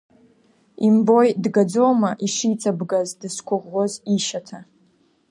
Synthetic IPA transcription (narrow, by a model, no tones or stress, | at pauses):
imbojdɡad͡zowmaʔiʂijt͡sʼʰabɡazdɨskʷʰʊʁːoziʃatʰa